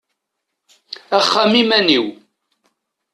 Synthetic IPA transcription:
æχːamimæniw

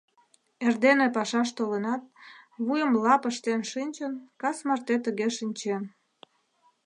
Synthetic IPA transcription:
erd̪enepɑʃɑʃ̬t̪olenɑt̪̚βujəmlɑpəʃt̪enʃinʲt͡ɕənkɑsmɑrt̪et̪əɣeʃinʲt͡ɕem

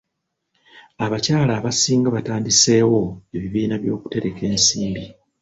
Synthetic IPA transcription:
aβacaːlaːβasiːŋɡaβataːndise̞ːwo̞e̞βiβiːnaβjo̞ːku̥te̞ɾe̞kʰe̞ːnsiːmbi

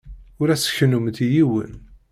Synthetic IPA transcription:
ʊɾæsə̥çnumt̪ijiwə̰n

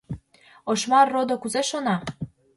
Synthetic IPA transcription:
oʃmɑrːod̪okuzeʃonɑ

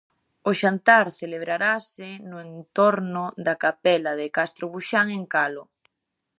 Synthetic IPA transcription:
ʊʃant̪aɾθeleβɾaɾasɪnʊent̪oɾnʊd̪akapɛlaðɪkast̪ɾoβuʃaŋeŋkalo

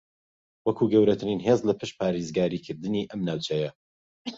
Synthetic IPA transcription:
wɐkʰuːɡɐwɾɐt̪ʰɨɾinɦeːzlɐpʰɨʃ̚pʰaːɾezɡaːɾiːkʰɨɾd̪ɨniʔɐmnaːwt͡ʃʰɐjɐ

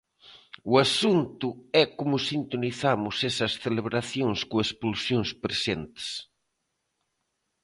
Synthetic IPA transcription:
uasunt̪ʊɛkomʊsint̪oniθamʊsesɐsθeleβɾaθjoŋskoespulsjoŋspɾesent̪e̥s

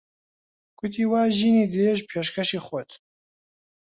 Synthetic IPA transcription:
kʰʷʊt̪ʰiːwaːʒiːniːd̪eʒpʰeːʃkʰɐʃiːxɔt̪

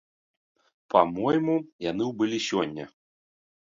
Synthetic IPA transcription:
pamɔjmujan̪ɨwbɨlʲisʲɔnʲːɐ

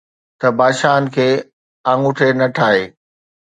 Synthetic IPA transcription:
t̪ɐbaːʃaːənɪ̆kʰeː | ãːŋʊʈʰenɐʈʰaːɦeː

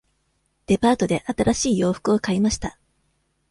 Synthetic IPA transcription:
d̪̥e̞paːt̪o̞d̪e̞ʔat̪aɾʔaɕiːjo̞ːɸɯ̥kɯo̞kaimaɕi̥t̪a

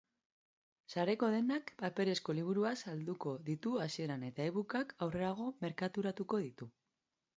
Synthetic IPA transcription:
saɾe̞ko̞ð̞e̞nakpape̞ɾe̞sko̞liβ̞uɾuasald̪uko̞ðit̪uasie̞ɾane̞t̪aeβukakawre̞aɣ̞o̞me̞ɾkat̪uɾat̪uko̞ð̞it̪u

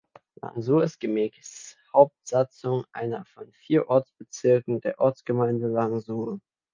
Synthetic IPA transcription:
la̰ŋzuːɐɪst̚ɡ̥əmɛːkshaʊp̚tz̥at͡sʊŋʔa̰ɪnɐfɔnfiːɐʔɔɐt͡sb̥ət͡sɪɐkŋ̩deːɐʔɔɐt͡sɡ̥əmaɪndəlaŋzuːə

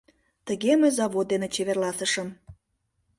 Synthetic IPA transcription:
t̪əɣeməzɑβot̪̚d̪enet͡ɕeβerlɑsəʃəm

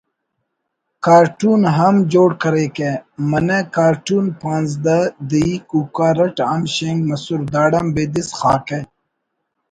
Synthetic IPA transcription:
kaːɾʈuːnɦɐmd͡ʑoːɽkɐɾeːkemɐnekaːɾʈuːnpãːnzd̪ɐd̪iikuːkaːɾɐʈamɕeŋɡmɐsuɾd̪aːɖɐmbeːd̪isxa̰ːke

